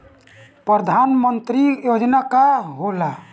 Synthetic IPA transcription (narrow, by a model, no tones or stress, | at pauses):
pɾəd̪ʱanmənt̪ɾijod͡ʒnakaɦola